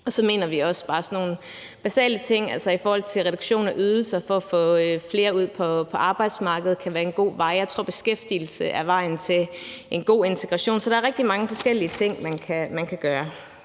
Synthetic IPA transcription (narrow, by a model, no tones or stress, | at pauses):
ɒ̽sɒ̽me̝̰ːnɐʋiɒ̽sb̥ɑ̈ːsɒno̝ːn̩ | b̥æsɛ̰ːlət͡sʰe̝ŋ̰ælsɒifɒːhɒ̽l̰t͡sʰe̝lʁɛd̥uɡ̥ɕo̝̰ːnɒʔyð̞ˠl̩sɐfɒ̽ːfɔ̰̽ːfle̝ːɐuð̞̰ˠpʰɒ̽pʰɒ̽ʔɑ̈ːb̥ɑ̈ɪd̥smɑ̈ːɡ̥əð̞̩ˠkʰæʋæːɐe̝nɡ̥o̝̰ːʋɑ̈ɪ̰jɑ̈ɪt͡sʰʁo̝ɐb̥e̝sɡ̥efd̥il̩səʔæʋɑ̈ɪnt͡sʰe̝lʔe̝nɡ̥o̝̰ːe̝nt͡sʰe̝ɡ̥ʁɑ̈ɕo̝̰ːnsɒɾ̥ɑɐʁɛɡ̥̚d̥imɑ̈ŋəfɒ̽sɡ̥el̰iət͡sʰe̝ŋ̰mænkʰæmænkʰæɡ̥ɶːɐ